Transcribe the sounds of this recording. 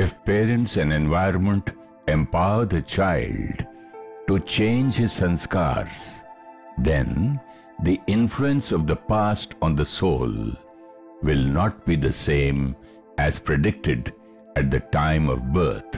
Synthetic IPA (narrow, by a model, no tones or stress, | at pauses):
ɪfpeːɾə̃ɳʈsæ̃nẽnʋaɪɾnmə̃ɳʈ | ɛ̃mpaʊəd̪ət͡ʃaɪlɖ | ʈut͡ʃẽːnd͡ʒhɪz̥sə̃nska̰ɾz̥ | d̪ɛ̰̃n | d̪iʔɪ̃nfluə̃nsɔʋd̪əpasʈɔ̃nd̪əsoːl | ʋɪlnɔʈ̚b̥id̪əsẽːm | ʔæz̥pɾɨɖɪk̚ʈɪɖ | æʈ̚d̪əʈãɪ̃mɔ̰vbə̰ːt̪̚ʰ